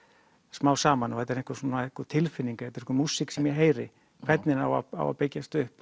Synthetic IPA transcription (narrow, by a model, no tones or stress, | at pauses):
smaːwsaːmanɔhɛt̪ːɛɾeŋkasunaehkat̪ʰɪlfɪnːiŋkḁɛt̪ːɾehkamusːɪksɛmjɛɦeːjɾɪ̰ | kʰvɛt̪nɪnawaa̰wa̰pejcast̪ʏhp